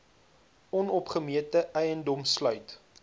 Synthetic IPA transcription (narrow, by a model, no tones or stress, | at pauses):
ɔnɔpχəmiətəʔɛjəndɔmslœɥt